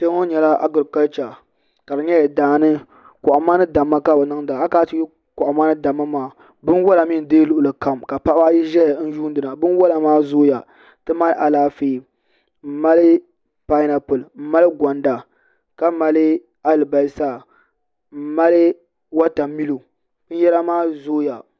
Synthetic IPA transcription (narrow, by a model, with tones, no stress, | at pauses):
te˦ŋo˦ɲɛ˨la˦ʔa̰˦ɡɨ˨ɾka˦lt͡ʃa˨ | ka˨dɨ˨ɲɛ˦jɛ˨daː˨nɨ˦ | kʊ˨ʔa˨maː˦nɨ˦da˨mːa˦ka˦ba˨nɨ˦ŋdaː˨a˦kaː˦tɨ˦ | kɔ˨ʔa˨maː˦nɨ˦da˨mːa˦maː˨ | bɨ˦nwɔ˦la˨mi˦n˨deː˦lʊ˨ʔʊ˨la˨ka˨mka˨pa˦ba˦ji˦ʒɛ˦ja˨˦n̩˦ju˦n˦dɨ˨na˨bɨ˦n˦wɔ˦la˨maː˦zoː˦ja˨ | tɨ˦ma˦lʔa˨laː˦feː˦˨ | m̩˦ma˦lɨ˦ | pa˦i˦na˨pɨ˨lɨ˨m̩˦ma˦lɨ˦ɡʷa˨nda˨ | ka˦ma˦lɨ˦ | a˦lɨ˨ba˨˦lsaː˦˨ | m̩˦ma˦lɨ˦ | wa˦ta˨mi˦lo˨ | bɨ˦n˦jɛ˦la˦maː˦zoː˦ja˨